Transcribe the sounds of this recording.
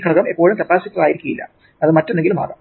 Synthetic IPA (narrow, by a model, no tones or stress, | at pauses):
kʰɐɐɣɐmepːo̞ːɻumt̪ɐpːaːsipːɐðaːjiɾikʲːuɣɐilːɐ̰ | ɐðɨmɐtːunːeŋɡiluma̰ːɡɐm